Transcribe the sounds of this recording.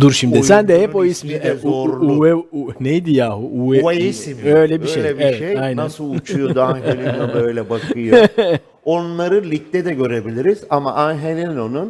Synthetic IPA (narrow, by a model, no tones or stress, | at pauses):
d̪uɾʃimd̪isænd̪ɛhɛppojismoɾluɛnejd̪ijaːhuʔueisimøjlʲɛbiʃejɛevɛajnnasɯt͡ʃʰujod̪uanhɛlʲinobøjlʲɛbakʰɯjo | onlˠaɾɯlʲic̚t̪ɛd̪ɛɟø̞ɾe̞bilʲiɾiz̥amaʔanɦelʲinonun